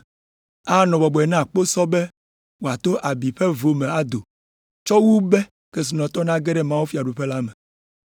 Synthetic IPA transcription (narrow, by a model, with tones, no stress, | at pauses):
a˦nɔ̃˨bɔ˨bɔ˨ɛ˨nã˦˨k͡po˦sɔ˦be˦ | wo˨a˨t̪o˦ʔa˨bi˨ɸe˦vo˨mẽ˨a˦d̪o˨ | t͡ʃɔ˦wu˦bɛ˦ | ke˦s̬i˨nɔ̃˨t̪ɔ˦nã˦ɡe˦ɖɛ˦mã˦wu˦fi˦˨a˨ɖu˨ɸe˦la˦me˨